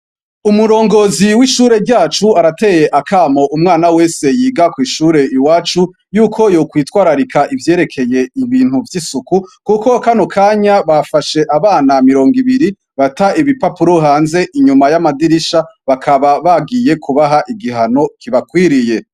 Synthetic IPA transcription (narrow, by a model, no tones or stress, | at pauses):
umuɾo̞ːŋɡo̞ziwiʃuːɾe̞ɾɟaːt͡ʃuaɾate̞je̞ʔakʰamo̞ʔumŋaːnawe̞ːse̞jiːɡakwiːʃuːɾe̞iwaːt͡ʃu | juːkʰo̞jokwiːtwaːɾaɾikʰaʔivje̞ːɾe̞kʰe̞je̞iβiːn̥huvjisukukuko̞kanokʰaːɲaβafaʃe̞ʔaβaːnamiɾo̞ːŋɡiβiɾi | βataiβipapuɾoɦaːnze̞ʔiɲumajamadiɾiʃaβakʰaβaβaɡije̞kʰuβaɦaʔiɡiɦano̞kʰiβakwiɾije̞